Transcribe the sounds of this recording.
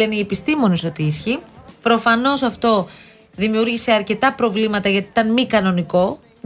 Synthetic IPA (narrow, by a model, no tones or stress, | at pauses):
enie̞pist̪imo̞nisot̪iisçipɾo̞fɐno̞sɐft̪o̞ | ðimiuɾʝise̞ɐɾce̞t̪ɐpɾo̞vlimɐt̪ɐʝɐt̪i̥t̪ɐnmikɐno̞niko̞